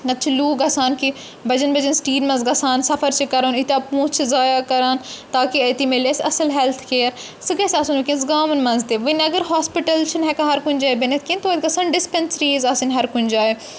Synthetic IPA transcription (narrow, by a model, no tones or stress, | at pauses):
ɐt̪ːt͡ʃʰiluːɡɐsaːnki | bɐd͡ʒɐnbɐd͡ʒɐnsʈiːɖmɐ̃zɡɐsaːnsɐfʰəɾt͡ʃikɐɾoːnit̪aːpũːt͡ʃʰzaːjaːkɐɾaːnt̪aːkiɐt̪imelesɐsəlɦɛlt̪ʰkeːəɾ | sɨɡɐsʲaːsunʋɐkĩnzɡaːmɐnmɐ̃nzt̪eːʋɐnɐɡəɾɦaːspiʈəlt͡ʃʰinɦɛkɐɦɐɾkʊnd͡ʒaːebɐnɐt̪̚ʰkĩnt̪oːt̪ɡɐsaːnɖɪspensɾiːzaːsinɦɐɾkʊnd͡ʒaːe